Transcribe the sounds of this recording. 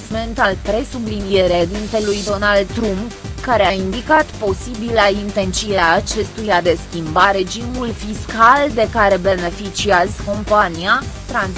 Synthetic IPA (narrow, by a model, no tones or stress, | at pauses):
me̞nt̪alpɾe̞sublinije̞ɾeed̪int̪e̞lujd̪o̞nald̪̚t̪ːɾumpkaɾeaind̪ikat̪po̞sibilaint̪e̞nt̪sieːt͡ʃe̞st̪ujad̪e̞skʲimbaɾe̞d͡ʒimulfiskald̪e̞kaɾe̞be̞ne̞fit͡ʃiazko̞mpaniat̪ɾanz